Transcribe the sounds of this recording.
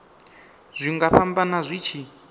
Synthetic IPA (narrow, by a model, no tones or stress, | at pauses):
z̥ʷiŋɡaɸʰambanazʷit͡ʃʰi